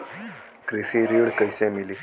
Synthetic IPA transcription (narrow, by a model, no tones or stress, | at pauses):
kɾisiɾiɽkəjsemili